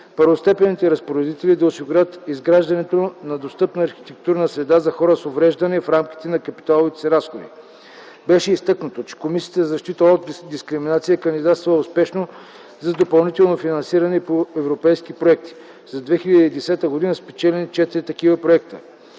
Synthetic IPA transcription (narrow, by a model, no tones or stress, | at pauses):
pəɾvost̪ɛpɛnit̪ɛɾɐspoɾɛd̪it̪ɛlid̪ɐʊsiɡʊɾʲət̪izɡɾaʒd̪ɐnɛt̪onɐd̪ost̪ɤpnɐːɾxi̥t̪ɛk̚t̪uɾnəsɾɛd̪azɐxɔɾəsovɾɛʒd̪ɐnɛfɾamki̥t̪ɛnɐkɐpi̥t̪alˠovit̪ɛ̥sɛɾasxod̪ḭ | bɛʃɛist̪ɤknɐt̪ot͡ʃɛ̥komisiət̪əzzɐʃt̪it̪əot̪d̪iskɾiminat̪sijəkɐnd̪id̪at̪st̪vʊspɛʃno | zɐd̪opɐlˠnit̪ɛlˠnofinɐnsiɾɐnɛpoɛvɾopɛjskipɾoɛk̚t̪i̥ | zɐd̪vɛxilʲɐd̪iːd̪ɛsɛt̪əɡod̪inəspɛt͡ʃɛlɛnit͡ʃɛt̪iɾit̪ɐk̟ivəpɾoɛkt̪ə